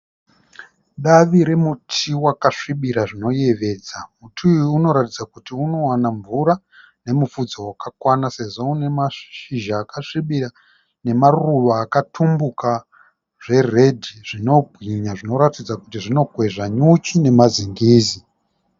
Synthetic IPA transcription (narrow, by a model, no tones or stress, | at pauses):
ɗaʋiɾe̞mutʰiwakaʂiɓiɾaʐino̞je̞ʋe̞ːd͡zamutʰuːno̞ɾatid͡zakutiuno̞wanaɱvuɾa | ne̞mufud͡zowakakwanase̞ʐoune̞maʃiʒaːkaʂiɓira | ne̞maruʋaːkatʰumbuka | ʐe̞re̞dʱiʐino̞bʱɣiɲaʐino̞ɾatid͡zakutiʐino̞ɡʱwe̞ʐaɲut͡ʃine̞maziŋɡiːzi